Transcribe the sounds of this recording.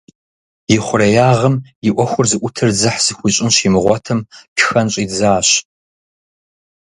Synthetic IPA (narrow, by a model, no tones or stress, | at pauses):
jɪχʷʊrɐjaːʁɐmjɪʔʷɔxʷʊrzɨʔʷʊtʰɨrd͡zɨħz̥ɨxʷʊɕʼɪnɕimɨʁʷɔtʰɨmpʰxɐnɕʼiːd͡zaːɕ